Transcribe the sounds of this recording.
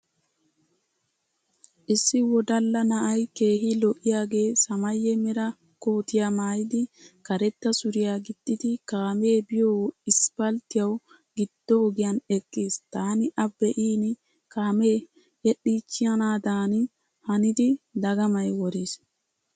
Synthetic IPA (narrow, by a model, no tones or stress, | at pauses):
ʔɪsːɪwɔd̪ɐlːɐnɐʔɐjke̞ːɦɪlɔʔɪjaːɡe̞ːsɐmɐjːɛmɛɾɐ | koːt̪ɪjamaːjɪd̪ɪkɐɾɛt̪ːɐsʊɾɪjaːɡɪd̪̥ːɪd̪ɪkaːme̞ːbɪjoːɪspɐlt̪ɪjɐw | ɡɪd̪̥ːɔɔɡɪjɐnɛkʼːiːst̪aːnɪʔɐbːɛʔiːnɪ | kaːmeː | jɛɗiːt͡ʃːɪjɐnaːd̪aːnɪ | hɐnɪd̪ɪd̪ɐɡɐmɐjwɔɾiːs